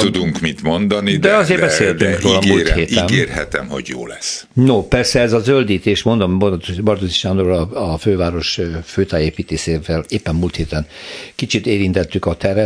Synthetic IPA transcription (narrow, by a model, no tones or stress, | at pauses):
ud̪uŋkmit̪mond̪ɒnid̪ɛɒzeːrbɛseːlt̪yŋkroːlɒɡulːt̪hheːtiɛneːrhɛ̰t̪ɛ̰mho̞̰ɟjo̰ːlɛsnopɛrsɛɛzɒzøld̪iːt̪eːʃmo̞nd̪ombot̪obɒrd̪oziʃaːnd̪oɾɒɒføːvaːɾo̞ʃføːt̪aːeːpiːt̪eːseːvɛleːpːɛmmult̪heːt̪ɛnkit͡ʃit̪eːɾint̪ɛt̪ːykɒt̪ɛɾɛ